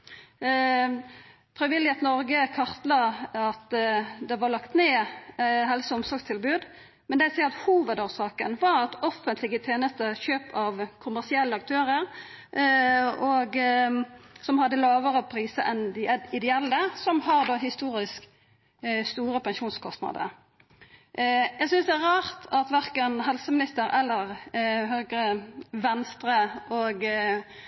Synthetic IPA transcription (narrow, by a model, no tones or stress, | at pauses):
fɾɪʋɪlːɪhet̪nɔɾɡəkʰɑʁt̪lɑɑt̪d̪ɛʋɑʁlɑkt̪neːɦɛlsɔɔmsɔɾɡst̪ʰɪlbʉːd̪ | mɛnd̪ɛsɛːɑt̪huːʋəd̪oːʁsɑːkənʋɑɾɑt̪ɔfənt̪ʰlɪɡət̪ʰeːnəst̪əçøːpʰɑʋkʰʊmæʁsɪɛlːəɑk̚t̪ʰøːɾəɾ | ɔɡ | sɔmhɑd̪ːəlɑːʋəʁəpʰɾiːsəʔɛnd̪ɪɛɪd̪ɛɛlːəsɔmhɑɾd̪oːɦɪst̪uːɾɪsk | st̪uːɾəpɛnʂuːnskʰɔst̪nɑ̰d̪ə̰ | jæɪɡsʏnsd̪ɛæɾɑːʁt̪ʰɑt̪ʋæɾkənɦɛlsəmɪnɪst̪əɾɛlːəʁɦøːɡɾəʋɛnst̪ɾəʔoɡ